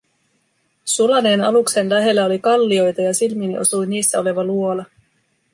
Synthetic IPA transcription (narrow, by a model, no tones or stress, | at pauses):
sulɑne̞ːnɑlukse̞nlæɦe̞lːæo̞likɑlːio̞jt̪ɑjɑsilminiʔo̞̰sujniːsːæo̞le̞ʋɑluo̞lɑ